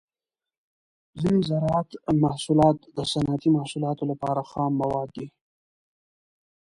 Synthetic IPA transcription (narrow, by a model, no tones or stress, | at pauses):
zinezaɾɑat̪mahsulɑt̪d̪əsanat̪imahsulɑt̪olapɑɾaxɑmːawɑd̪ːi